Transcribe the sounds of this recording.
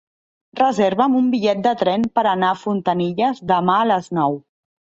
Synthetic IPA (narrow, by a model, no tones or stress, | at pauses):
rəzeɾβəmumbiʎɛt̪̚d̪ət̪ɾɛnpəɾənaːfunt̪əniʎəzðəmaələznɔw